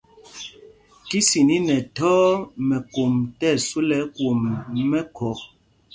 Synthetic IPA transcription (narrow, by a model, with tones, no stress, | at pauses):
ki˦si˨ni˦nɛ˨tɔː˦mɛ˨ko˨mtɛ˦˨su˦lɛ˨˦kwo˨mːɛ˦kʰɔ˨